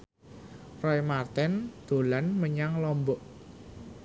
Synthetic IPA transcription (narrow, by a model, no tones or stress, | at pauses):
rɔjmart̪ɛnd̪̥o̤lanməɲaŋlɔmbɔʔ